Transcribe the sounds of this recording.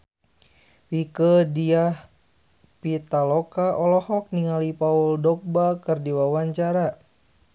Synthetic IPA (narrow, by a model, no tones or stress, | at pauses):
wikədiah | pit̪alɔkaʔɔlɔhɔk̚niŋalipauldɔk̚bakɨrdiwawaɲt͡ʃaɾa